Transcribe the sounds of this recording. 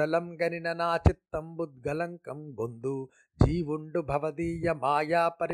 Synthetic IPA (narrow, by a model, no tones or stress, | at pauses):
ɐlɐmɡɐninɐnaːt͡ʃit̪ːɐmbud̪̚ɡɐlɐŋkɐmɡond̪u | d͡ʒiːʋuɳɖubʱɐʋɐd̪iːjɐmaːjaːpɐɾ